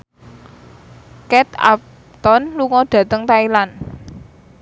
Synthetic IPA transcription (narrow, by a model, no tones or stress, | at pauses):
kɛt̪a̰p̚ | t̪ɔnluŋɔɖ̥ä̤t̪əŋt̪ailan